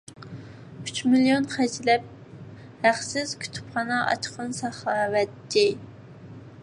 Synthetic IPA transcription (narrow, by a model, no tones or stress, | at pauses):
yt͡ʃmilijonχæd͡ʒlɛp̚ | hæχsɪz̥kʲʰy̥t̪ʰy̥pχɑnɑʔɑ̰t͡ʃqʰənsɑχɑːwɛt̪ːɪ